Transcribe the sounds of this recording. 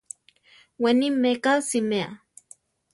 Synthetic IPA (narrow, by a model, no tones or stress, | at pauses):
wenimːekasimea̰